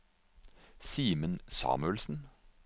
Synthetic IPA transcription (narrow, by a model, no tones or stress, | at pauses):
siːmənsɑ̰ːmʉəlsn̩